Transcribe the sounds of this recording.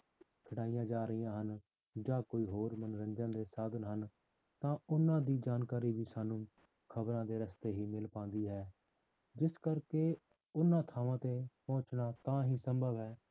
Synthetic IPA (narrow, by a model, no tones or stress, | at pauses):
kʰəɽaːijãːd͡ʒaːɾəiːãːɦən | d͡ʒaːkoːiːɦoːɾmənɾə̃nd͡ʒãːd̪eːsaːd̪ənɦən | t̪ãːʊnãːd̪iːd͡ʒaːnkaːɾiːbiːsaːnũː | kʰəbɾãːd̪eːɾəst̪eːɦiːmɪlpãːnd̪iːɦɛː | d͡ʒɪskəɾkeː | ʊnːãːt̪ʰaːʋãːt̪eːpɔ̃ːt͡ʃnaːt̪ãːɦiːsəmbʱəbɦɛː